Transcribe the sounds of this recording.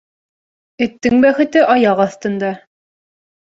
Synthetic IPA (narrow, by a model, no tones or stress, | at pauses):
ɘ̆t̪ːɘŋbæχɘ̆t̪ɘʔɑjɑqɑθt̪ɤ̆nd̪ɑ